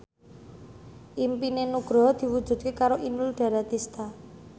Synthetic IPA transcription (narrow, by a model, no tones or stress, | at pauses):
ʔimpinenuɡ̥ɾɔd̪̥i̤wud̥ʒ̥ṳd̪̚kekaɾoʔinulɖ̪̥a̤ɾat̪ist̪a